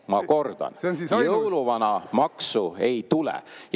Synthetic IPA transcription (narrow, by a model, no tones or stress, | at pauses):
mɑko̞rd̪̥ɑ̰njɤwluvɑnɑmɑksue̞jt̪ulɛ̰j